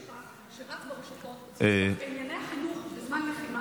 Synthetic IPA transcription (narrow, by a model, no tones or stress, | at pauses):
a | ʃeʁat͡sbeʁiʃotot | einjaneaχinuχbezmanleχima